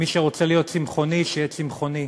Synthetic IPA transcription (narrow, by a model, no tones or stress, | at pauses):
miʃeʁo̞t͡selijo̞t̚t͡simχo̞niʃejɛt͡simχo̞ni